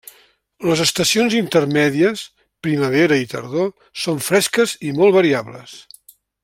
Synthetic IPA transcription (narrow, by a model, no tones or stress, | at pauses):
ləzəst̪əsionzint̪ərmɛðiəs | pɾiməβ̞eɾəit̪ə̰ɾðo | soɱfɾɛskəzimolˠβəɾiaβlə̰s